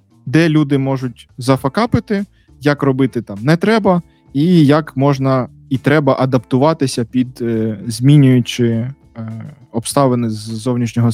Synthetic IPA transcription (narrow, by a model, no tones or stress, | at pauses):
d̪ɛlʲud̪ɪmɔʒʊtʲzɐfɐkɑpɪt̪ɪ | jɐkrɔbɪt̪ɪt̪ɑmnɛt̪ɾɛbɐ | ijɐkmɔʒnɐ | it̪ɾɛbɐʔɐd̪ɐpt̪ʊʋɑt̪ɪsʲɐpʲid̪zʲmʲinʲʊjʊt͡ʃɪ | ɔpst̪ɑʋenɪzːɔwnʲiʃnʲɔɦɔ